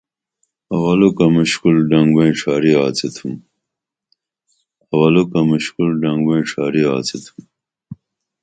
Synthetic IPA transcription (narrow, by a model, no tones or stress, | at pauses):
ɐwɐlukamuɕkulɖɐŋɡbẽʈ͡ʂʰaːɾiaːt͡sit̪ʰum | ɐwɐlukɐmuɕkulɖɐŋɡweĩʈ͡ʂʰaːɾiaːt͡sit̪ʰum